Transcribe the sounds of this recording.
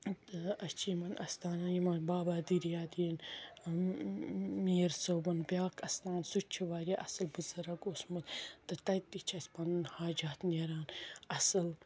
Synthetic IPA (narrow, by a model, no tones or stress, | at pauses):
t̪ɐt͡ʃʰimɐnɐst̪aːnajimɐnbaːbaːd̪iɾjaːd̪in | miːɾsoːbɐnbjaːkʰɐst̪aːnsut͡ʃʰiʋaːɾʲiʔɐsɨlbɨzɐɾɐɡosmɨt̪t̪ɨt̪ɐjt̪it͡ʃʰɐsʲpɐnɨnhaːd͡ʒaːt̪neːɾaːnɐsɨl